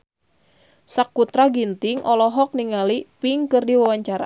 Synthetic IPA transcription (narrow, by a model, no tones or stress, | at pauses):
sakːut̪ɾaɡint̪ɪŋʔɔlɔɦɔk̚niŋalipiŋkɨrdiwawaɲt͡ʃaɾa̰